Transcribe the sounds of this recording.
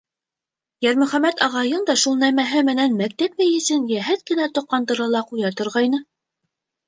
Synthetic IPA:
jæɾmɵ̆χæmæt̪ɑʁɑjɤnd̪ɑʃulˠnæmæɦɘmɘ̆nænmæk̚t̪æpmæjɘ̆sɘnjæɦæt̪̚kɘ̆næt̪ŏqːɑnd̪ɤ̆ɾɑlˠɑqujɑt̪ŏɾʁɑjnɤ

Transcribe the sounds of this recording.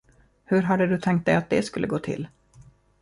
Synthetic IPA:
hɵɾɦad̪ːəd̪ɵt̪ʰɛŋkt̪̚d̪ɛjat̪̚d̪ɛskɵlːəɡoːt̪ʰɪ̰lː

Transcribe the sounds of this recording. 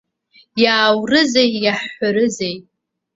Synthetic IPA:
jaːwrɨzejjaħħʷaɾɨzej

